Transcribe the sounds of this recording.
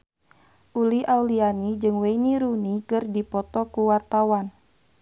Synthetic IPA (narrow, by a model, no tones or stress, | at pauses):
ʔuliʔaulianid͡ʒɨŋweiniɾunikɨrdipɔt̪ɔkuwart̪awan